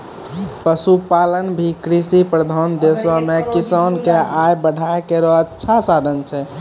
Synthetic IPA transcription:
pəsupalənbʱikɾisipɾəd̪ʱand̪eswamekisənkeajbəɖʱaekeɾɔətːʃʰasad̪ʱənt͡ʃʰɛ

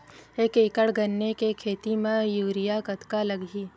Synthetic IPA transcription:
eːkekəɽɡənːekekʰeːt̪imẽjuːɾijakɐt̪kalɐɡʱiː

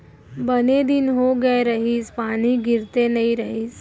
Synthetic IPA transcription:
bəned̪inɦoɡəeɾəɦiːspaːñiɡɪɾt̪enɐiɾəɦiːs

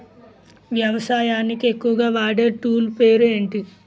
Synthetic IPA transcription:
ʋjɐʋɐsaːjaːnikiekːuʋɐɡaːʋaːɽe̞ːʈuːlpeːɾueːɳʈi

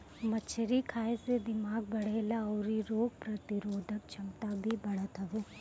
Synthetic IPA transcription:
mɐt͡ʃʰɐɾikʰaːjesed̪imaːɡ̚bɐɽeɐlaɐwɾiɾoːɡ̚pɾɐt̪iɾoːd̪ʱɐk̚t͡ʃʰɐmt̪aːbʱibɐɽɐt̪ʰɐʋu

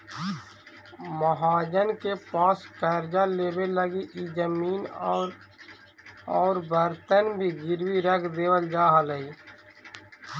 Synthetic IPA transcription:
məɦaːd͡ʒənkepaːskɛːɾd͡ʒaleːbeləɡiʔid͡ʒəmiːnɔːɾ | ɔːɾbʱəɾt̪ənbʱiɡɪɾwiɾəkʰd̪eːwəld͡ʒaːɦaləɦiː

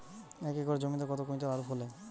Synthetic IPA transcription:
ɛkekoɾed͡ʑomit̪akɔt̪okoĩt̪aaɾupʰole

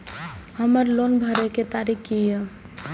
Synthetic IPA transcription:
həməɾlonbʱəɾeket̪aɾikkijə

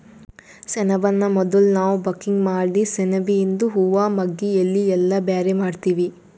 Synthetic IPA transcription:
sɛnɐʋɐnːɐmɔd̪ɐlunaːʋubɐkːiŋɡmaːɽisenɐʋiind̪uɦuʋaːmɐɡːiɐlːiɛlːɐbjaːɾemaːɖt̪iːʋi

